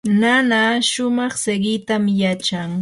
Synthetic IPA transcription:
nanaʃʊmɑχseɢɪt̪amjat͡ʃaŋ

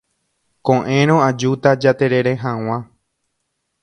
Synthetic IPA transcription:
kõʔẽɾ̃õad͡ʒut̪ad͡ʒat̪e̞ɾe̞ɾeɦãw̃ã

